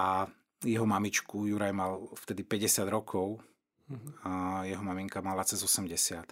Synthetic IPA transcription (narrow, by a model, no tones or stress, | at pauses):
ʔa | jɛɦɔmamit͡ʃkujuɾajmalft̪ɛd̪ipɛɟɛsɪad̪ɾɔkʰɔʊ | jɛɦɔmamiŋkamalat͡sɛzɔsɛmɟɛsɪat̪